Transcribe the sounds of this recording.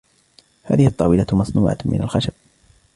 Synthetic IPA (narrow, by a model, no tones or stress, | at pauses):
ha̰ːðɪhɪʔɑt̪ˤːɑːwɪlamɑsˤnuːʕa̰t̪mɪ̰nalxaʃab̥̚